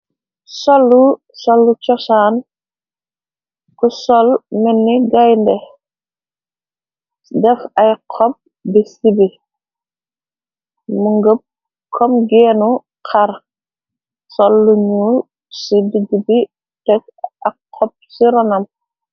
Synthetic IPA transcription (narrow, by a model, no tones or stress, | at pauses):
sɔlːu | sɔlːut͡ʃɔsaːn | kusɔlmɛnːiɡajndɛ | dɛfɐjqʰɔp̚ | bisibi | muŋɡəp̚ | kʰɔmɡɛːnu | kʰar | sɔlːuɲu | sidiɡibi | tɛk̚ɐkʰːɔp̚siɾɔnɐm